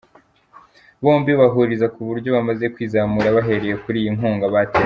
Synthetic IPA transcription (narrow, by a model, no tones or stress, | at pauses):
βo̞ːmbiβaɦuɾizakuβuɾɟo̞βamaze̞kwiːzamuɾaβaɦe̞ɾeje̞kuɾiːjiŋuːŋɡaβate